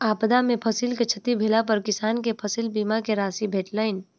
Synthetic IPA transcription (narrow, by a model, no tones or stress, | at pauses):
aːpd̪amẽpʰəsilket͡ʃʰət̪ibʱelapəɾkɪsaːnkepʰəsilbiːmakeɾaːsibʱeːʈləɪn